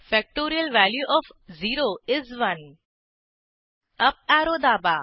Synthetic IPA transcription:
fɛk̚ʈoːɾiəlʋæːljuʔɔfziːɾoːɪzʋɐn | ɐp̚aːɾoːd̪aːba

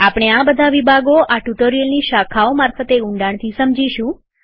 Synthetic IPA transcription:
apɽ̃eabəd̪ʱaʋibʱaɡoʔaʈuʈoɾiəlniʃakʰaomaɾfət̪eʊɳɖaɳ̃t̪ʰisəmd͡ʒiʃũ

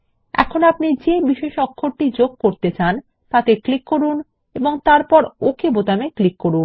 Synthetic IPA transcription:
ɛ̰kʰonap̚nid͡ʑebiʃeʃɔkʰːoɾʈid͡ʑoɡ̚koɾt̪et͡ɕan | t̪at̪eklikːoɾun | eboŋt̪aɾpɔɾokebot̪ameklikːoɾun

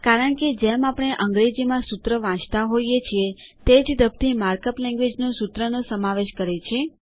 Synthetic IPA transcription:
kaɾəɳked͡ʒemapɽ̃eʔəŋɡɾed͡ʒimãsut̪ɾəʋãt͡ʃt̪aɦoijet͡ʃʰiet̪ed͡ʒd̪əb̚t̪ʰimaɾkəplɛ̃ŋɡʋed͡ʒnõsut̪ɾənosəmaʋeʃkəɾet͡ʃʰe

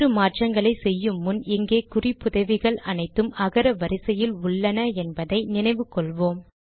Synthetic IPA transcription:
ɾɯmaːʈrɐŋɡɐɭɐɪsɛjːɯmːʊnɪŋɡeːkʊrɪpːʊðɐʋɪɣɐɭɐnɐɪt̪ːɯmɐɣɐɾɐʋɐɾɪsɐjɪlʊɭːɐnɐɛnbɐðɐɪnɪnɐɪʋɯkːɔɭʋoːm

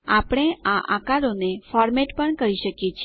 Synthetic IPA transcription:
apɽ̃eaʔa̰kaɾonefɔɾmeʈpəɳkəɾiʃəkjet͡ʃʰ

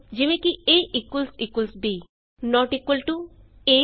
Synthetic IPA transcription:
d͡ʑimekieʔikwəlsikwəlsbi | nɔʈikwəlʈu | e

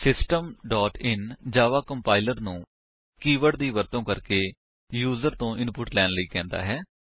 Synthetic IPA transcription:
sɪsʈəmɖɔːʈɪnd͡ʒaːʋaːkəmpaːɪləɾnũː | kiːʋəɽd̪iːʋəɾt̪õːkəɾkeː | juːzəɾt̪õːʔɪnpʊʈlɛːnləiːkɛ̃ːnd̪a̰ːɦɛː

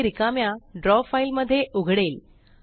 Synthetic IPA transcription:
ɾikamjaɖɾɔfailməd̪ʱːjeʔuɡʱɽel

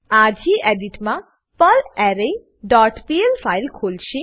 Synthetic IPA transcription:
ad͡ʒʱiʔeɖiʈmã | pəlɛɾei | ɖɔʈpielfailkʰolʃĩ

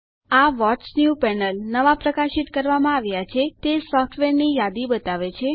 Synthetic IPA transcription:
aʋɔʈt͡ʃnjupɛnəlnəʋapɾəkaʃit̪kəɾʋamãaʋjat͡ʃʰet̪esɔfʰʈʰʋeɾnijad̪ibət̪aʋet͡ʃʰe

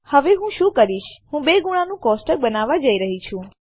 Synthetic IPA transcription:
həʋeɦũʃũːkəɾiʃhũbeɡuɽ̃anũkɔsʈəɾbənaʋad͡ʒəiɾəɦit͡ʃʰũ

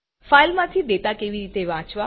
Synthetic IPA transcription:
failmãt̪ʰid̪et̪akeʋiɾit̪eʋãt͡ʃʋa

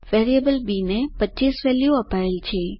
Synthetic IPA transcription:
ʋeɾijəbəlbinepətːt͡ʃːisʋɛlijuəpaelt͡ʃʰe

